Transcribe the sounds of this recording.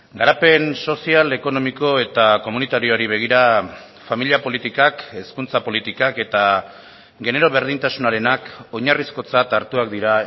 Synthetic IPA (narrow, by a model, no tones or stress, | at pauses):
ɡaɾape̞nso̞siale̞ko̞no̞miko̞e̞t̪ako̞munit̪aɾioaɾiβ̞e̞ɣ̞iɾa | familiapo̞lit̪ikake̞skunt͡sapo̞lit̪ikake̞t̪a | ɡe̞ne̞ɾo̞βe̞ɾðint̪asunaɾe̞nako̞ɲarisko̞t͡sat̪aɾt̪uak̚d̪iɾa